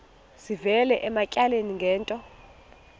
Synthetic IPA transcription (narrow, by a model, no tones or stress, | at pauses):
zivɛlɛʔɛmacʼaleniŋɡʱɛːntʼɔ